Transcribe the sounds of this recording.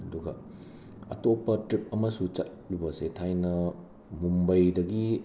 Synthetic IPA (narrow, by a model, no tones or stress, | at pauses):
ɐduɡɐ | ɐ̰topːɐtɾip̚ɐmɐsut͡ʃɐt̚lubɐsetʰajnɐ | mumbɐjdɐɡi